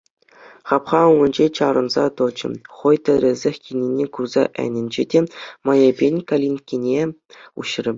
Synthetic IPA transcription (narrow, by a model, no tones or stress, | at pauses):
χɑpχɑuŋɤ̆nʲd͡ʑet͡ɕɑɾɤ̆nzɑ̰t̪ɤ̆d͡ʑɘ̰̆χɤ̆jt̪ʲɘ̆ɾʲɘ̆zʲɘxʲkʲinʲenʲekurzɑ̰ʔɘ̰nʲɘ̆nʲd͡ʑedʲemɑjebʲenʲkalʲinkʲinʲeṵɕrʲɘ̆